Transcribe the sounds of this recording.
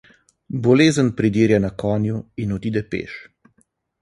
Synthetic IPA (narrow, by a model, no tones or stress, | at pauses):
bɔleːzənpɾid̪iːɾjanakɔːnjuinɔd̪id̪ɛpḛːʃ